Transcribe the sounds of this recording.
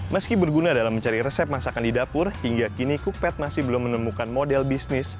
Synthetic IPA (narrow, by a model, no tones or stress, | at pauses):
məskibərɡunadalahməɲt͡ʃaɾirɛsɛp̚masakandidapʊrhiŋɡakinikuk̚pɛt̪̚masɪhbəlʊmːənəmukanmodɛlbisnɪs